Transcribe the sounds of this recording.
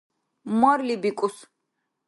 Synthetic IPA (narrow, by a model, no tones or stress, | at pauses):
mɔɾlibikʼus